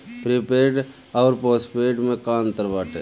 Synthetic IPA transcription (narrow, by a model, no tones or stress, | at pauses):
pɾipeːɾɖ | ɔːɾpoːspeːʈmẽkaːnt̪əɾʋaːʈeː